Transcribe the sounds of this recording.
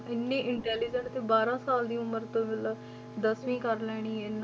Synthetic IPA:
ɪnːẽːʔɪɳʈɛːlid͡ʒənst̪ẽːbaːɾãːsaːld̪iːʊməɾt̪õːbɪl | d̪əsʋĩːkəɾlɛːɽ̃iːɪn

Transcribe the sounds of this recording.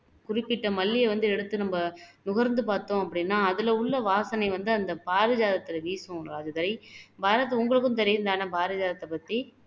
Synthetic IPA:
kʊrɪpːɪʈːɐmɐlːɪjɐʋɐnd̪ɯɛɽɯt̪ːɯnɐmbɐnʊɣɐɾnd̪ɯpaːɾt̪õːɐpːɐɽɪnːaːɐðɪlɐʊɭːɐʋaːsɐnɐɪʋɐnd̪ɯɐnd̪ɐbaːɾɯd͡ʒaːðɐt̪ːɪlɐʋiːsʊ̃ɾaːd͡ʒɐt̪ɐɾɐɪbaːɾɐt̪̬ːʊŋɡɐɭɯk̬ːɯnt̪̬ɐɾɪnd̪aːnɐbaːɾɐd͡ʒaːðɐt̪ːɐpːɐt̪ːi

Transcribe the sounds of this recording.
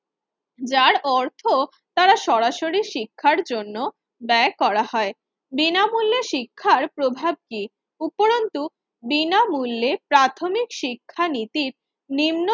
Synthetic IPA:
d͡ʑaɾɔɾt̪ʰo | t̪aɾaʃɔɾaʃoɾiʃikʰːaɾd͡ʑonːo | bɛkɔɾahɔe | binamulːeʃikʰːaɾpɾobʱab̚ki | upoɾont̪u | binamulːepɾat̪ʰomikʃikʰːanit̪iɾ | nimno

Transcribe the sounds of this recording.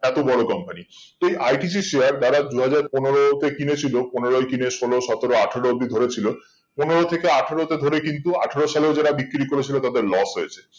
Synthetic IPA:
ɛt̪obɔɽokɔmpani | t̪oejʔajʈis̬iʃeaɾd̪aɾad̪uɦad͡ʑaɾponoɾot̪ekinet͡ɕʰiloponeɾoekineʃoloʃɔt̪oɾoaʈʰeɾod̪id̪ʱoɾet͡ɕʰilo | poneɾot̪ʰekeaʈʰeɾot̪ed̪ʱoɾekint̪uaʈʰeɾoʃaleod͡ʑaɾabikːɾikoɾet͡ɕʰilot̪ad̪eɾlɔsɦojet͡ɕʰe̥

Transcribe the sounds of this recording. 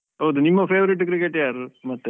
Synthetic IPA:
ɦoːd̪unimːɐfeːʋɐɾiʈ̬ːkɾikeʈːjaːɾɯmɐt̪ːe

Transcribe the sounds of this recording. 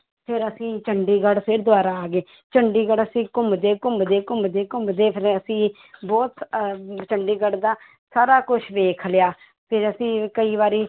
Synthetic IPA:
pʰɪɾəsĩːt͡ʃəɳɖiːɡəɽpʰɪɾd̪ʊaːɾaːaːɡeː | t͡ʃəɳɖiːɡəɽəsĩːkʊmbd̪eːkʊmbd̪eːkʊmbd̪eːkʊmbd̪eːpʰɪɾəsĩː | bɔːt̪t͡ʃəɳɖiːɡəɽɖd̪aː | saːɾaːkʊt͡ʃʰʋeːkʰljaː | pʰɪɾəsĩːkəiːʋaːɾiː

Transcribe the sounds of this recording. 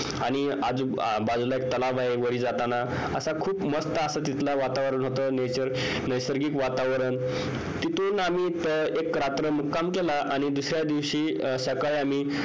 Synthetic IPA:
aɽ̃i | ad͡zu | bad͡zlaek̚t̪əlaʋaeʋəɽiːd͡zat̪ana | əsakʰuːpməst̪əəsat̪̬it̪laʋat̪aʋɾəɳɦot̪ənet͡ɕəɾ | nəjsəɾɡiːkʋat̪aʋɾən | t̪it̪unamiːt̪əekːɾat̪ɾəmukːamkelaʔaɽ̃id̪usɾjad̪iʋɕiːsəkaɭeamiː

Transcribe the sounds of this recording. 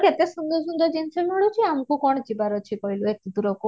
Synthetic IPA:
ket̪esund̪ɔsund̪ɔd͡ʒinsɔmɔɽut͡ʃʰiamkukɔɽ̃d͡ʒibaɾɔt͡ʃʰikɔjluet̪id̪uɾɔku

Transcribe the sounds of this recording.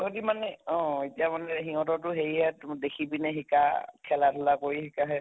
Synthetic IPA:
nodimanɛɔ̃etijamanɛɦiɦɔtɔt̬ʊɦeɹiɦɛtdekʰibinɛɦikakʰɛlatʰʊlakoɹihikaɦɛ

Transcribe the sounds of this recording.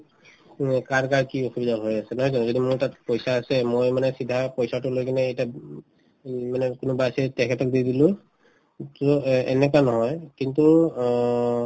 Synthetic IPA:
kaɹkaɹkioxubidaɦojasɛnɔɦɔjzɔnɔzodimʊɹtatpojsaːsɛmojmanɛsidʱːapojsatʊlojkinɛːjta | manɛkʊnʊbasitɛkʰɛtɔk̚didilʊ̃ | toɛ̰nɛk̬anɔɦɔjkintu

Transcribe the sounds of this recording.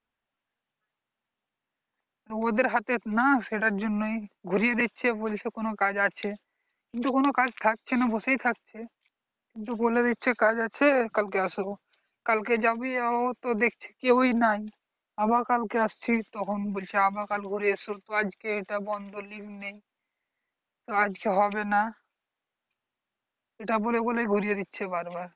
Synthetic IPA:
ɾood̪eɾɦat̪enaʃeʈaɾd͡ʑonːojɡʱuɾijed̪it̪ːt͡ɕʰebolt͡ʃʰekonokad͡ʑat͡ɕʰe | kint̪ukonokad͡ʑt̪ʰak̚t͡ɕʰenabosejt̪ʰak̚t͡ɕʰe | kint̪̬uboled̪it̪ːt͡ʃʰekad͡ʑat͡ɕʰekalkeaʃo | kalked͡ʒabiaot̪od̪ekʰt͡ɕʰe̥kewinaj | abaɾkalkeast͡ɕʰit̪ɔkʰonbolt͡ʃʰeabakalɡʱuɾiesot̪oad͡ʑkeeʈabɔnd̪ʱolibnej | t̪oad͡ʑkeɦɔbena | eʈaboleboleɡʱuɾijed̪it̪ːɕʰebaɾbaɾ

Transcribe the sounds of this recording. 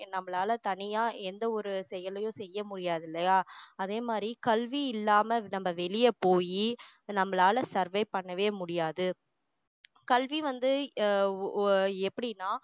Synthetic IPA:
nɐmːɐɭaːlɐt̪ɐɳɪjaːʔɛnd̪ɐɔɾɯsɛjɐlɐjʊ̃sɛjːɐmʊɽɪjaːðɪlːɐjaːɐðeːmaːd̪ɾikɐlʋiɪlːaːmɐnɐmːɐʋɛɭɪjɐpoːjinɐmːɐɭaːlɐsɐɾʋɐɪpɐɳːɐʋeːmʊɽɪjaːðɯ | kɐlʋiʋɐnd̪ɯ | ɛpːɐɽɪnːaː

